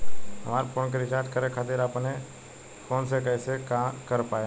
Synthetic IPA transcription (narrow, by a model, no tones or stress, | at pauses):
ɦəmaːɾpʰoːnkeɾɪkaːɾɖ̚kəɾekʰaːt̪eːɾaːpne | kʰoːnsekəesekakəɾpaːj